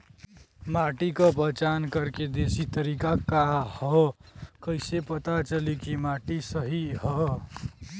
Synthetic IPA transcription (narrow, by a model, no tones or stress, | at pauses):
maʈikəpəɦt͡ʃankəɾked̪esit̪əɾikakahɔkəɪsepət̪at͡ʃəlikimaʈisəɦiɦɔ